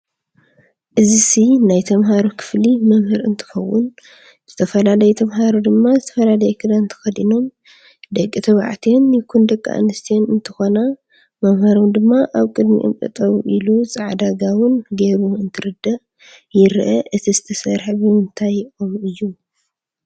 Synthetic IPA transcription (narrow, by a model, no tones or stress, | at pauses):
ʔɨzisinajt̪ʰɐmɦaɾukʰɨ̥flimɐmhɨɾɨ̰nt̪ʰɨ̥xɐwːʊn | z̥ɨt̪ʰɐfɐlalɐjɛt̪ʰɐmɦaɾud̪ɨmːazɨt̪ʰɐfɐlalɐjɛkʰɨd̪ant̪ʰɨ̥xɐd̪ino̞m | d̪ɐkʼːit̪ʰɐβa̰ʕt̪ʰijonjɪkʰund̪ɐkʼːa̰ʔa̰nɨst̪ʰijonɨnt̪ʰɨxona | mɐmhɐɾomd̪ɨmːaʔaβkʼɨd̪mḭʔɨ̰mʔʼɨ̰t̪ʼɐβʔiluzʼɨʕd̪aɡawɨnɡe̞ɾuɨnt̪ʰɨɾɨd̪ɐʔ | jɪɾʔɐʔɨt̪ʰizɨt̪ʰɐsɐɾħbɨmɨnt̪ʰajomɨjːu